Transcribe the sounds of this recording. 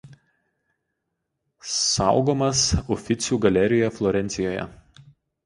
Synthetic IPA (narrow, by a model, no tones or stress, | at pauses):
sɑˑʊɡoːmɐsɔfʲɪt̪sʲuːɡɐlʲɛɾʲɪjɛflˠɔɾʲɛnʲt̪ʲɪjoːjɛ̰